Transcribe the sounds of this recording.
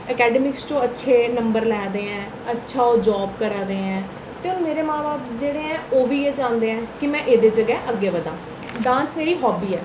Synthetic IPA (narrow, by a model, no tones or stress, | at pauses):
əkɛːɖəmɪkst͡ʃõːətːʃʰeːnəmbəɾlɛːd̪eːɛ̃ː | ətːʃʰaːod͡ʒɔːbkəɾãːd̪eːɛ̃ː | t̪eːʊnmeːɾeːmãːbaːpd͡ʒeːɽeːɛ̃ːoːʋiːeːd͡ʒãːnd̪eːɛ̃ːkɪmɛ̃ːʔeːd̪eːd͡ʒəɡɛːʔəɡːeːʋəd̪ãː | ɖãːnsmeːɾiːɦɔːbiːɛː